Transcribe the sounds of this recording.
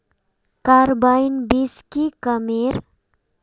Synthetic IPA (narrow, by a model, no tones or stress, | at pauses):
kaɾbajnbiskikəmeɾ